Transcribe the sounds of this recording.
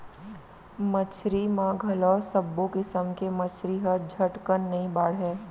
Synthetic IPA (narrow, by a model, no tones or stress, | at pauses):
mɐt͡ʃʰɾimãɡʱɐlɔːsəbːõkɪsəmkemɐt͡ʃʰɾiɦəd͡ʒʱɐʈkənːɐɦĩbaːɽɦɛː